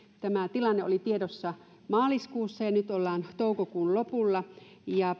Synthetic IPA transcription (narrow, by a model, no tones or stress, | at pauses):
t̪æmæt̪ilɑnːeo̰lit̪iedosːɑ | mɑːliskuːsːɑjɑnyt̪olːɑːnt̪oukokuːnlopulːɑjɑ